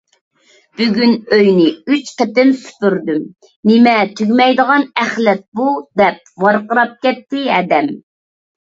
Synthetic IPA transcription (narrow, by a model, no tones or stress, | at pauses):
b̥yɡʲynøjnɪyt͡ʃqɛt̪ɪmsy̥pyɾd̪ym | nɪmɛt̪ʰyɡʲmɛjd̪əʁɑnɛχlɛt̪̚bud̪ɛp̚vɑɾqəɾɑp̚kʲɛt̪ʰːɪɛd̪ɛm